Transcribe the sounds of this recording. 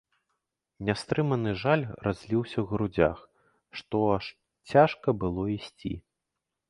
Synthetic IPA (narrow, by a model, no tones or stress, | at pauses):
nʲast̪ɾɨmɐnɨʐalʲrazʲlʲiwsʲɐwɣɾud͡zʲa̰x | ʂt̪ɔaʂ | t͡sʲaʂkɐbɨlˠɔisʲt͡sʲḭ